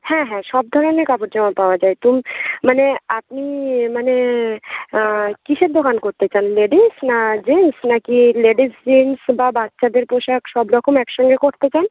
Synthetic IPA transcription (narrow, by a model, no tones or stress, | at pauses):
hɛ̃ɦɛ̃ʃɔb̚d̪ʱɔɾonekapoʈd͡ʑɔmapaoad͡ʑaet̪umːaneapnimane | kiʃʰed̪okankoɾt̪et͡ɕanleɖisnad͡ʑinsnakileɖisd͡ʑinsbabat̪ːʃad̪eɾpoʃakʃɔbɾɔkomɛkʃɔŋɡekoɾt̪et͡ɕan